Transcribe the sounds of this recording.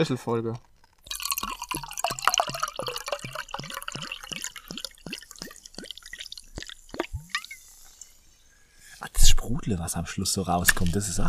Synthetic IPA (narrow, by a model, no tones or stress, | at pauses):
ɪsl̩fɔlɡə | ʔasʃpʁ̥uːd̥ləvaːsamʃlʊsz̥oːʁaʊskʰɔmt̚dəsɪsa